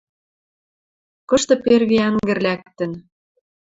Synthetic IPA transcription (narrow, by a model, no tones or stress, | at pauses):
kɤ̆ʃt̪ɤ̆perɣiæŋɡɘ̆rlæk̚t̪ə̆n